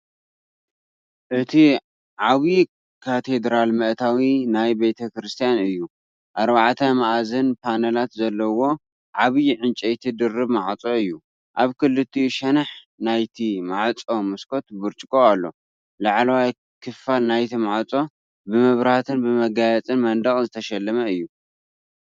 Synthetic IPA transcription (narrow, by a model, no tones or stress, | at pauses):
ʔɨt̪ʰi | ʕaβi | kʰat̪ʰe̞d̪ɾalmɐʔt̪ʰawinajbet̪ʰɐkɾɨst̪ʰijanɨjːu | ʔaɾbaʕt̪ʰɐmaʔazɨnpʰanɐlat̪zɐlːɐwo̞ | ʕaβiʕɨnt͡ʃʼejt̪ʰɨd̪ɨrːɨβmaʕt͡sʼoɨjːu | ʔaβkʰɨlːɨt̪ʰːijʃɐnɐħ | najt̪ʰimaʕt͡sʼo̞mɨskʰo̞t̪bɨɾt͡ʃʼkʼoalːo̞̰ | laʕlɐwaj | kʰɨfalnajt̪ʰimaʕt͡sʼo̞ | bɨmɐβɾaht̪ʰɨnbɨmɐɡajɐt͡sʼɨnmɐnd̪ɐχʼzɨt̪ʰɐʃɐlːɐmɐɨjːu